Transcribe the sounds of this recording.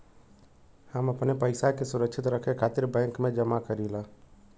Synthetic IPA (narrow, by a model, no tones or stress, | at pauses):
həməpnepəɪsakesʊɾəkʃʰɪt̪ɾəkʰekʰaːt̪ɪɾbɛ̃ːŋkmẽd͡ʒəmakəɾila